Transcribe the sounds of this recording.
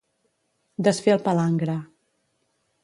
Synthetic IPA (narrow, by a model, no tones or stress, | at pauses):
d̪əsfeəlˠpəlaŋɡɾə